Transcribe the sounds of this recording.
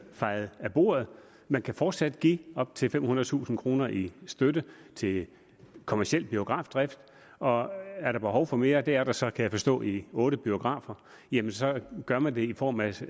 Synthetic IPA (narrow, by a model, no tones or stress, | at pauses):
fɑ̈ɪð̩ˠæb̥o̝̰ɐð̩ˠ | mænkʰæfɒːd̥sæd̥ɡ̥ḭːɒ̽b̥̚t͡sʰe̝lfem̰ɦunɐðˠt͡sʰṵːsn̩kʰʁo̝ːnɐʔisd̥ødət͡sʰe̝ | kʰo̝mæɐsiel̰b̥io̝ɡ̥ʁɑ̈ːfd̥ʁɛfd̥ | ɒ̽æɐɾ̥ɑ̈b̥e̝ɦɒʊfɒ̽me̝ːɐd̥e̝æɐɾ̥ɑ̈sɒ̽kʰæjäɪfɒ̽sd̥ɔ̰̽ːiɔ̽ːɾəb̥io̝ɡ̥ʁɑ̰̈ːfɐ | jemənsɒ̽ɡ̥ɶɐmænd̥e̝ifɒ̰ːmæ